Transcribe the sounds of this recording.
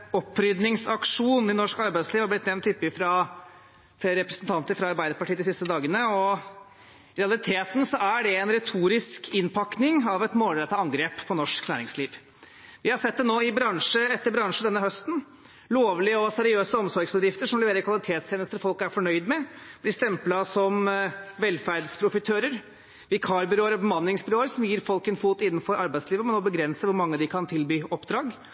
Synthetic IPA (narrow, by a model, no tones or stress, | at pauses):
ɔpːɾʏd̪nɪŋsɑkʂuːnɪnɔʂkɑɾbæɪd̪sliːʋhɑblɪt̪nɛʋnt̪ːʏpːɪfɾɑ | fɾɛpɾəsnt̪ʰɑnt̪əɾfɾɑɑɾbæɪd̪əɾpɑʈʰiːəd̪ɪsɪst̪əd̪ɑːɡənəɔ | ɾɛɑlɪt̪ʰeːt̪n̩sɔæɖɛɛnɾɛt̪ʰuːɾɪskʰɪnpʰɑknɪŋɑʋɛt̪moːlɾɛt̪ːɑɑŋɡɾeːppʰːɔnɔʂknæ̰ːɾɪŋsliːʋ | ʋɪhɑsɛt̪̚d̪ɛnoːɪbɾɑŋʂəɛt̪ːəɾbɾɑŋʂd̪ɛnːəɦœst̪n̩ | loːʋlɪəɔsɛɾɪøːsəɔmsɔɾɡsbəd̪ɾɪft̪əʂɔmlɛʋeːɾəɾkʰʋɑlɪt̪ʰeːt̪st̪ʰeːnəst̪əɾfɔlkæɾfɔɳœʏd̪mɛb̥lɪst̪ɛmplɑsɔmʋɛlfæɾɖspʰɾʊfɪt̪ʰøːɾəɾ | ʋɪkʰɑːɾbʏɾoːəɾɔbəmɑnːɪŋsbɪɾoːəɾsɔmjiːɾfɔlkɛnfuːt̪ɪnːənfɔɾʔɑɾbæɪsliːʋəmɛnɔbəɡɾɛnsəʋʊɾmɑŋːəd̪ɪkʰɑnt̪ʰɪlbyːʔɔpd̪ɾɑːɡ